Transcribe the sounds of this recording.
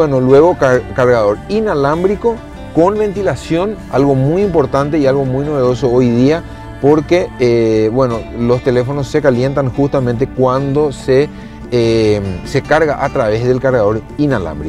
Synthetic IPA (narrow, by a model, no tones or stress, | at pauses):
enolwe̞ɣo̞kakaɾɣaðo̞ɾinalambɾiko̞ | ko̞nβẽ̞nt̪ilasjo̞n | alɣo̞mujimpo̞ɾt̪ant̪eialɣo̞mujnoβe̞ðo̞so̞ojðia | po̞ɾke̞βwe̞no̞lo̞st̪e̞le̞fo̞no̞sse̞kalje̞nt̪aŋxust̪amẽnt̪̬e̞kwand̪o̞se | se̞kaɾɣaʔat̪ɾaβe̞zðe̞lkaɾɣaðo̞ɾinala̰mbɾik